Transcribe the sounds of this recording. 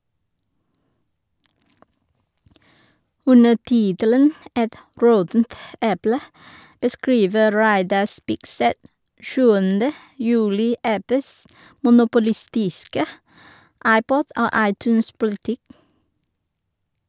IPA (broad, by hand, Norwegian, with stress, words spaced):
ˈʉnə ˈtɪtələn ˈʔɛt ˈɹɔtn̩t ˈʔɛplə bəˈskɹiːʋə ˈɾæɪdɑ ˈspɪkˌsɛt ˈʃʉːəndə ˈjʉːlɪ ˈʔæpəs mʊnʊpʊˈlɪˌstɪskə ˈɑɪˌpɔd ˈoː ˈɑɪˌtʉːnspʊlɪˌtɪk